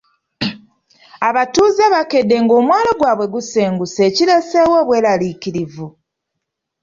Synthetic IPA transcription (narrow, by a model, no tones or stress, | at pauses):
aβatuːzeβake̞dːe̞ŋɡo̞ːmwaːloɡwaːβwe̞ɡuseːŋɡuseːcile̞sewo̞βwe̞ːlaliciɾivu